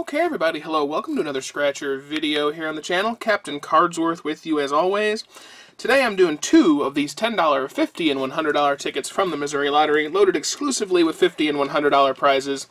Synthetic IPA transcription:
oʊkʰɛɪɛvɹibɑɾiɦɛloʊwɛlˠkm̩tʰɨɨnʌðə˞skɹæt͡ʃə˞vɪɾioʊɦiɹɨ̃nðɨt͡ʃʰænl̩ˠkʰæp̚tɨ̃nkʰɑɹdzwɜ˞θwɪðjɨɨzɔlˠwiz̥ | tʰɨdeɪãɪ̃mdʉɪ̃ŋtʰʉʌvðiz̥tʰɛ̃ndɔlˠə˞ʌfɪftiɨ̃nwʌ̃nɦʌ̃ndɹə˞dɔlˠə˞tʰɪkɨtsfɹʌ̃mðɨmɨzʊɹilæɾə˞iloʊɾɨɾɨksklʉsɨvliwɨð̥fɪftiɨ̃nwʌ̃nɦʌ̃ndɹə˞dɔlˠə˞pʰɹ̥aɪzɪz̥

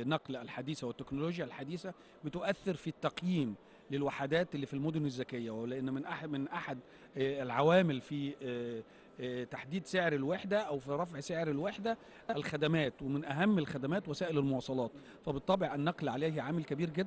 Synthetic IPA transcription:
nɑqlælħad̪iːsæwɪt̪ːeknoloːɡjælħad̪iːsæ | bɪt̪ʊʔæθːeɾfit̪ːɑqjiːm | lɪlwaħad̪æːt̪ʔlːiːfilmod̪onɪzːækejːælɪʔenːmɪnʔamɪnʔaħad̪ | lʕawæːmɪlfi | t̪aħd̪iːd̪seʕɾelweħd̪æʔæwfiɾˤɑfʕseʕɾelweħd̪æ | ʔælxæd̪æmæːt̪wemɪnʔæɦæmːælxæd̪æmæːt̪wæsæːʔɪlælmowɑːsˤɑlɑːt̪ | fæbet̪ˤːɑbeʕʔænːɑqlʕaleːɦʕaːmælkæbiːɾɡed̪ː

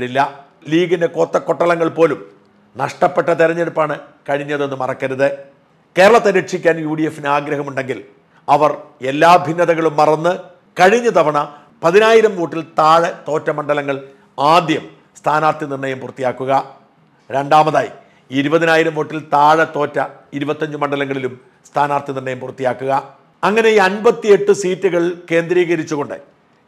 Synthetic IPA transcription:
ɽilːɐ | liːɡindeko̞ːt̪ːɐkːoʈːɐɭɐŋːɐɭpo̞ːlum | nɐʂʈɐpːeʈːɐt̪iɾɐɲːeɽupːaːɳɨkɐɻiɲːɐðenːɨmɐrɐkːɐɾɐðɨ | ke̞ːɾɐɭɐt̪ːɐɾeʈʂikʲːaːnjuːɽijefːineaːɡɾɐɦɐmuɳɖe̞ŋɡil | ɐʋɐre̞lːaːbʱinːɐðɐɣɐɭumːɐrɐnːɨ | kɐɻiɲːɐt̪ɐʋɐɳɐ | pɐðinaːjiɾɐmʋo̞ːʈːilt̪aːɻɐt̪o̞ːtːɐmɐɳɖɐlɐŋːɐɭ | aːd̪jɐm | st̪ʰaːnaːrt̪inirɳɐjɐmpurɐt̪ːijaːkːuɣɐ | ɾe̞ɳɖaːmɐðaːjḭ | iɾubɐðinaːjiɾɐmʋoːʈːilt̪aːɻɐt̪o̞ːtːɐiɾubɐt̪ːɐɲd͡ʑumɐɳɖɐlɐŋːɐɭilum | st̪ʰaːnaːrt̪inirɳːɐjɐmpurt̪ːijaːkːuɣɐ | ɐŋːɐnejɐnbɐt̪ːie̞ʈːɨsiːtːuɣɐɭke̞ːnd̪ɾiːɣɐɾit͡ɕːuɣo̞ɳɖɨ̰

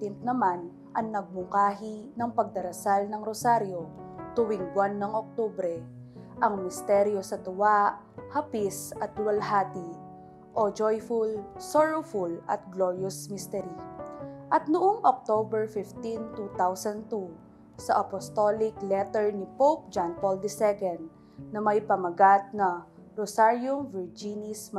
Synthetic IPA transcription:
t̪ɪnt̪̚nɐman | ʔɐŋnɐɡ̚mʊŋkaːɦɪnɐŋpɐɡ̚d̪ɐɾɐsalnɐŋɾosaɾjo̞t̪uwɪŋbwanːɐŋʔok̚t̪obɾɛ | ʔɐŋmɪst̪ɛɾjosɐt̪ʊwaʔ | hɐpisɐt̪̚lwɐlɦaːt̪i | ʔod͡ʒojfʊlsoɹofʊlʔɐ̰t̪̚ɡloɹjosmist̪ɛɾiʔɐt̪̚nʊʔoŋʔok̚t̪obɛɹfɪft̪int̪ut̪awsɐnd̪t̪u | sɐʔɐpost̪olɪklɛt̪ɛɹnɪpowp̚d͡ʒanpold̪ɪsɛkɛnd̪ | nɐmɐjpɐmɐɡat̪̚nɐ | ɾosaɹjʊmvɛɹd͡ʒinɪsm

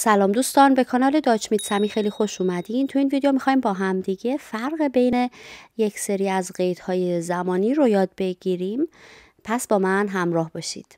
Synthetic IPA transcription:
sælɒːmd̪uːst̪ɒːnbe̞kʰɒːnɒːle̞d̪ɒːt͡ʃmiːd̪sæmiːxe̞jliːxo̞ʃuːmæd̪int̪ʰuiːnvid̪ejomixɒːiːmbɒːɦæmd̪iɟe̞fæɾɣebe̞jne̞je̞cʰseɾiːæzɢe̞jt̪hɒːjezæmɒːniːɾojɒːd̪̚be̞ɟiɾim | pʰæsbɒːmænɦæmɾɒːhbɒːʃḭːd̪̥

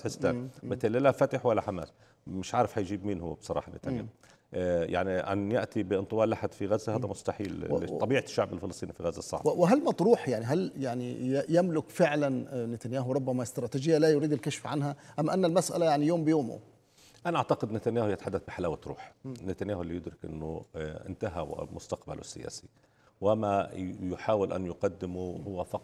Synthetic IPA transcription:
ħɪst̪aːnmɪt̪alːilafat̪ɪħwalːaħama̰ːl | mɪʃʕaːɾɪfhajʒiːbmiːnhʊbsˤɑɾˤɑ̰ːħɑnɪ̰t̪a̰ja̰ː | ja̰ʕniʔa̰njaʔt̪ibɪʔɪnt̪ˤɨwɑːlʔaħad̪fiɣazːahaːd̪amʊst̪aħḭːllːḛʃˤɑbiːʕaʃːaʕbɪlfɪlɑsˤt̪ˤiːnifiɣazːasˤːɑ̰ʕbwɪɦalmæt̪ɾuːħjaʕniɦaljaʕnijamlʊkfɪʕlanːɪt̪anjaːɦʊɾˤʊbːamaʔɪst̪ɾˤɑːt̪iːd͡ʒɪjːalajʊɾiːd̪ɪlkaʃfʕanhaʔamʔanːalmasʔa̰lajaʕnijoːmbɪjoːmʊ̰ | ʔanaʔaʕt̪aqɪd̪nɪt̪anjaːhjɪt̪ḁħad̪ːaθbɪħalaːwat̪ɾˤṵːħnːɪt̪anjaːhʊʔɪlːijɪd̪ɾɪkʔɪ̰nːʊʔɪ̰nt̪aɦa̰mʊst̪aqba̰lṵsːɪ̰ja̰ːsi̥ | wamajʊħaːwɪlʔa̰njʊqɑd̪ːɪmuhʊwːafɑq̪

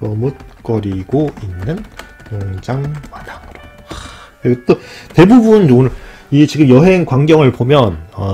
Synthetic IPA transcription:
mʌmut̚k͈ʌɾiɡoinːɯn | moŋd͡ʑaŋmad̥akɯɾʌ | ɾeɡet͈ote̞bubunonɯɭ | it͡ɕiɡɯmjʌɦe̞ŋkwaŋɡjʌŋɯɭpomjʌnʌ

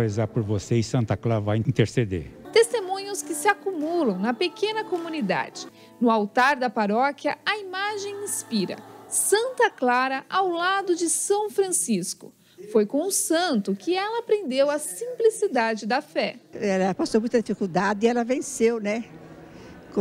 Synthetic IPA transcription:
ezapoɾvoseɪsɐ̃nt̪ɐklaɾɐvajĩnt̪eɾsed̪ḛɾt̪est̪emũɲʊskɪsɪakumulɐ̃w̃nɐpekẽnɐkomũnid̪a̰d͡ʒɪ | nʊawt̪aɾd̪ɐpaɾɔkjɐɐimaʒẽj̃ĩspiɾɐ̰sɐ̃nt̪ɐklaɾɐawlad̪ʊd͡ʒɪsɐ̃w̃fɾɐ̃siskʊ̰ | fojkõʊsɐ̃t̪ʊkɪɛlɐpɾẽnd̪ewɐsĩplisid̪ad͡ʒɪd̪ɐfɛɛlɐpastowmũj̃t̪ɐd̪ifikud̪ad̪ɪɛlɐvẽsewnɛ | k

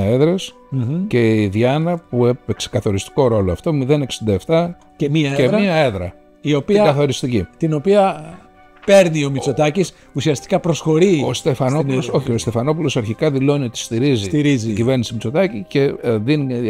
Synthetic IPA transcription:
e̞ðɾe̞s | ce̞ðjɐnɐpuepekse̥kɐθo̞ɾist̪i̥ko̞ɾo̞loɐft̪o̞miðe̞ne̞ksind̪ɐeft̪ɐ | cemɐeɾmmiɐe̞ðɾɐ | io̞piɐkɐθo̞ɾist̪icit̪ino̞piɐ | pe̞ɾnio̞mit͡so̞t̪ɐcis | usiɐst̪i̥kɐpɾosxo̞ɾiost̪e̞fɐnouoso̞çiost̪e̞fɐno̞pulo̞sɐɾçikɐðilo̞niot̪i̥st̪iɾizit̪iɾiziɟive̞ɾnisimit͡sot̪ɐcice̞ðini

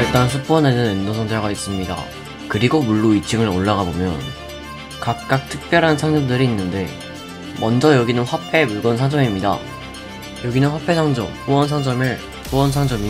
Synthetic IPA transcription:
iɭt͈ansʰup͈ʌne̞nɯnenːosʰʌnd͡ʑaɡais͈ɯmɲida̰ | kɯɾiɡomuɭːoit͡ɕʰɯŋɯɾoɭːaɡabomjʌ̰n | kak̚k͈ak̚tʰɯk̚p͈jʌɾɦansʰaŋd͡ʑʌmdɯɾiːnːɯnde̞ | mʌnd͡ʑʌjʌɡinɯnɸwapʰe̞muɭɡʌnsʰaŋd͡ʑʌmimɲida̰ | jʌɡinɯnɸwapʰe̞sʰʌŋd͡ʑʌ̰mkuwʌnsʰaŋd͡ʑʌmeɭ | puwʌnsʰaŋd͡ʑʌmi

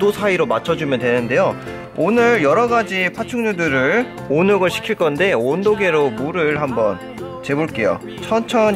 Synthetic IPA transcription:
dosʰaiɾomat͡ɕʰʌd͡ʑumjʌntwe̞nɯnde̞jo | onɯɭjʌɾʌɡad͡ʑipʰat͡ɕʰuŋɲudɯɾɯɭ | onoɡɯɭɕʰi̥kʰiɭk͈ʌnde̞ondoɡe̞ɾomuɾɯɭɦambʌn | t͡ɕe̞boɭk͈e̞jo̰ | t͡ɕʰʌnt͡ɕʰʌ

